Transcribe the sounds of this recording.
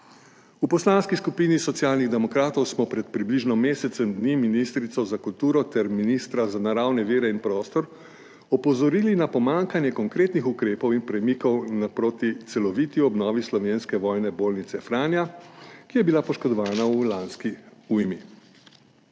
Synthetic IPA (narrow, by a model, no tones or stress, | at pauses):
upɔslanskiskupinisɔt̪sjaːlniɣd̪ɛmɔkɾaːt̪ɔwsmɔpɾɛt̪̚pɾibliʒnɔmeːsɛt̪sɛmd̪niːminist̪ɾit̪sɔzakult̪uːɾɔt̪ɛɾminist̪ɾazanaɾawnɛʋeːɾɛinpɾɔːst̪ɔɾ | ɔpɔzɔɾiːlinapɔmaŋkanjɛkɔŋkɾeːt̪nixukɾeːpɔwinpɾɛmikɔwnapɾoːt̪it̪sɛlɔʋiːt̪iɔbnɔːʋislɔʋeːnskɛʋɔːjnɛboːlnit̪sɛfɾaːnjakijɛbilapɔʃkɔd̪ɔʋaːnaulanskiujmi